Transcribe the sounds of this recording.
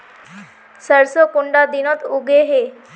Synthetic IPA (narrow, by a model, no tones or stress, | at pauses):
səɾsəkuɳɖad̪inət̪uɡʱeɦe